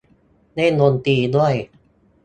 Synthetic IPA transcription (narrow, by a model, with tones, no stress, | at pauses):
na˥˩no˧nt̪iː˧du˥˩əj